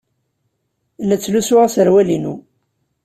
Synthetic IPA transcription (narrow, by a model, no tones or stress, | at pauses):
lːæt͡sːlusʊʁasəɾwælinu